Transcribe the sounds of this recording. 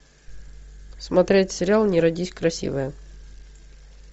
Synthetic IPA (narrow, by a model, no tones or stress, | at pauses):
smɐt̪ɾʲetʲsʲɪɾʲɪalˠnʲɪɾɐdʲisʲkɾɐsʲḭvɨjə